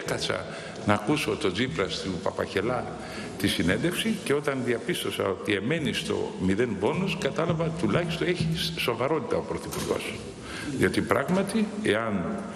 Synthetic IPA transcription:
ekɐt͡sɐ̰ | nɐːkuso̞t̪o̞d͡zipɾɐst̪upɐpɐ̰çe̞lɐ | t̪isine̞nd̪e̞fsiceo̞t̪ɐnðiɐpist̪osɐ̰o̞t̪ie̞me̞nist̪o̞̰miðe̞nbo̞noskɐt̪ɐlɐvɐt̪ulɐçi̥st̪oeçiso̞vɐɾo̞t̪it̪ɐo̞pɾoθipuɾɣo̞̰s | ðio̞t̪ipɾɐɣmɐt̪ieɐn

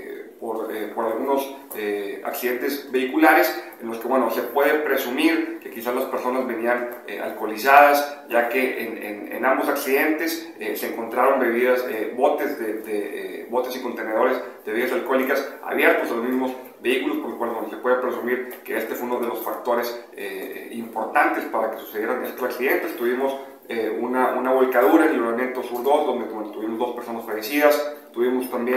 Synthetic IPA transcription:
poɾepo̞ɾalɣuno̞s | ea̰ksiðe̞nt̪e̞zbe̞ikulaɾesenlo̞skeβwe̞nose̞pwe̞ðepɾesumiɾke̞kisazlaspe̞ɾso̞nazβe̞nianḛa̰lko̞lisaðasɟ͡ʝake̞ʔḛnḛnḛnambo̞saksiðe̞nt̪e̞s | eseeːŋko̞nt̪ɾaɾo̞mbe̞βiðasebo̞t̪ezðeðḛbo̞t̪e̞siko̞nt̪e̞ne̞ð̞o̞ɾesðeiðas̬alkolikasa̰βje̞ɾt̪ozðelomizmo̞s | beikulo̞spoɾlokwaldond̪esepwe̞ðepɾe̞sumiɾkeest̪e̞fweunoðe̞lo̞sfak̚t̪o̞ɾe̞sḛimpo̞ɾt̪ant̪espaɾake̞su̥se̞ðjeɾanest̪osaksiðe̞nt̪est̪uβimo̞s | eunaʔunaβo̞lkaðuɾaenelmoimje̞nt̪osuɾðo̞sd̪o̞nd̪eend̪ot̪uβimozd̪o̞speɾsonasfaʝesiðast̪uβimo̞st̪ambje

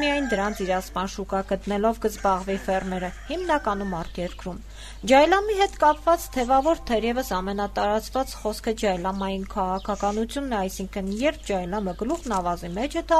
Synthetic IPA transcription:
mijɑjnd̪əɾɑnt͡sʰiɾɑspɑnʃukɑkət̪nɛlɔvkəzbɑʁvifɛrmɛɾəhimnɑkɑnumɑɾt̪ʰjɛɾkɾum | d͡ʒɑjlɑmiɦɛt̪kɑpvɑt͡st̪ʰɛvɑvɔɾt̪ʰɛɾjɛvəsɑmɛnɑt̪ɑɾɑt͡svɑt͡sχɔskʰəd͡ʒɑjlɑmɑjinkʰɑʁɑkʰɑkɑnut͡sʰjunːɛɑjsiŋkʰənjɛɾp̚ʰd͡ʒɑjlɑməɡəluʁnɑvɑzimɛt͡ʃʰɛt̪ɑ

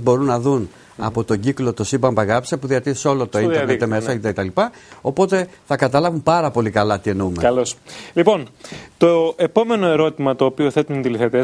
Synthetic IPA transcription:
bo̞ɾunːɐðun | ɐ̰po̞t̪o̞ɟiklo̞t̪o̞sibɐmbɐɣɐpsepuðiɐt̪iɾeso̞lot̪oinent̪eme̞sɐoet̪et̪ɐlipɐ | o̞po̞t̪e̞θɐkɐt̪ɐlɐvumpɐɾɐpo̞likɐlɐt̪ie̞numeɐloslipo̞nt̪oe̞po̞me̞no̞e̞ɾo̞t̪imɐt̪oːpio̞θet̪unnd̪iliθet̪e

